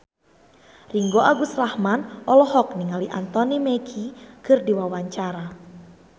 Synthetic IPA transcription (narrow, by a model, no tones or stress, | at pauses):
riŋɡoʔaɡusrahmanʔɔlɔhɔk̚niŋaliʔant̪ɔnimɛkʰikɨrdiwawaɲt͡ʃaɾa